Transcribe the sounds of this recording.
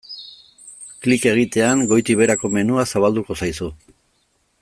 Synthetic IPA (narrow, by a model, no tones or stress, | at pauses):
klike̞ɣ̞it̪e̞aŋɡo̞jt̪iβe̞ɾako̞me̞nuasaβ̞ald̪uko̞sajsu